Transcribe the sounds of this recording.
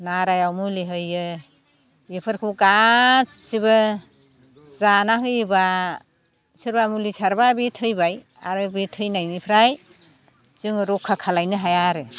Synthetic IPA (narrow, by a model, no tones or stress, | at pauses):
naɾajawmuliɦɯjɯ | epʰɯɾkʰuɡa | sibɯ | zanaɦɯjba | sɯɾbamulisaɾbabitʰɯjbaj | aɾɯbitʰɯjnajnipʰɾaj | zɯŋɾɔkʰːakʰalajnɯɦajaɾɯ